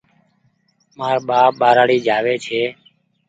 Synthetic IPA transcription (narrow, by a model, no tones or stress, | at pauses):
maːɾɓaːɓaːɾaːɽiːd͡ʒʱaːʋeːt͡ʃʰeː